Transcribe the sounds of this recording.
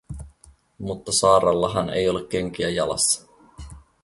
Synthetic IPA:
mut̪ːɑsɑːɾɑlːɑɦɑne̞̰jo̞lekːeŋk̟iæjɑlɑ̰sːɑ̥

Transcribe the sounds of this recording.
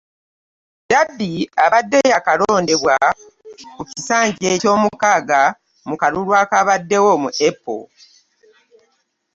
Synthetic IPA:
dabːiaβadːe̞jakaloːnde̞βwa | kucisaːɲɟeco̞ːmukaːɡa | mukalulwaːkaβadːe̞womṵʔepːo̰

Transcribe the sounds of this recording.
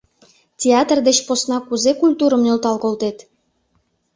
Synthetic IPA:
tʲeɑt̪rd̪et͡ɕposnɑkuzekulʲt̪uɾəmnølt̪ɑlkolt̪et̪

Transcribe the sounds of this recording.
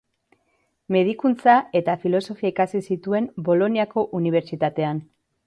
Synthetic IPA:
me̞ðikunt͡sae̞t̪afilo̞so̞fiaikasisit̪ue̞mbo̞lo̞niako̞ʔuniβ̞e̞ɾt͡ʃit̪at̪e̞an

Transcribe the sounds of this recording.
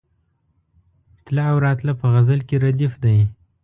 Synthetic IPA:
t̪laːwɾɑt̪lapəɣazalkʲeɾad̪ifd̪aj

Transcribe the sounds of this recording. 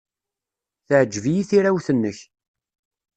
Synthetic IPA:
θəʕd͡ʒːvijiθiɾawθənːəç

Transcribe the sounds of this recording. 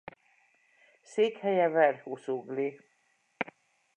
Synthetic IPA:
seːkhɛjɛvɛrhusuɡli

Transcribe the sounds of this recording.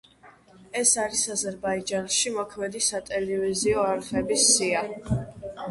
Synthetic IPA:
ɛsaɾisazɛɾbaid͡ʒanʃimɔkʰmɛd̪isat̪ʼɛlɛviziɔaɾʁɛbisːia

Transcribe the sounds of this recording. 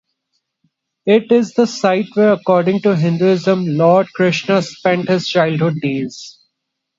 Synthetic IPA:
ɪʈɪzd̪əsaɪʈʋeːɾəkɔːɾɖɪ̃ŋʈuɦɪ̃nɖuɪzə̃mlɔːɾɖ̚kɾɪʃnəspɛ̃ɳʈhɪzt͡ʃaɪlɖɦʊɖ̚ːeːz̥

